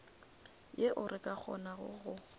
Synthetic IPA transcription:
jeʔʊrʔɪkʼak͡xʰɔ̰naɣʊ̰ɣʊ

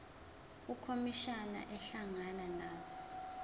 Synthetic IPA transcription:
ukʰomiʃana̰ʔɛɬaŋananaːzɔ

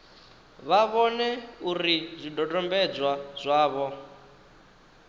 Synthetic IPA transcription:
βaβɔnɛuɾizʷidɔdʼɔmbɛd͡zwazʷaːβɔ

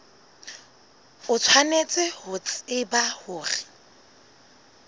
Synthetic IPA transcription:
ʊt͡sʰwanet͡sʼɪhʊt͡sʼɪbahʊːrɪ

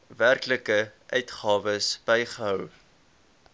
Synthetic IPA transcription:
værkləkəʔœɥtχɑːvəsb̥ɛjχəɦœw

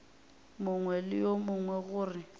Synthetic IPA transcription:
mʊŋwɛlɪjomʊŋwɛɣʊːrɪ

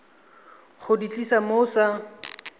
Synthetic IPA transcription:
χʊdit͡ɬʼisamoːsa

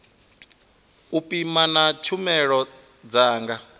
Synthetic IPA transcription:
upʼimanat͡ʃʰumɛɺɔ | d͡zaːŋɡa

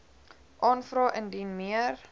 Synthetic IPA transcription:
ʔɑːnfrɑːʔəndinmiər

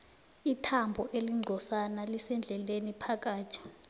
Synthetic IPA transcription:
itʰambʱɔʔeliŋ͡ǀʱɔsanalisɛnd͡ɮʱɛlenipʰak̬ʼaːt͡ʃʰʼɛ̥

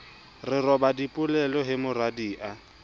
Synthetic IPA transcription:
rɪrɔbadipʼʊlɛlɔɦɪmʊradiːʔa

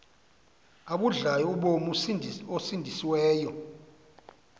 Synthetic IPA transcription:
aɓuɮajɔuɓomosindʱisiwɛːjɔ

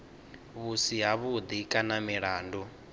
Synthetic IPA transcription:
βusiɦaβud̪ikʼanamiɺaːndu

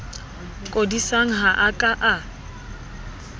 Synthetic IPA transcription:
kʼodisaŋ̩ɦaʔakʼaʔa

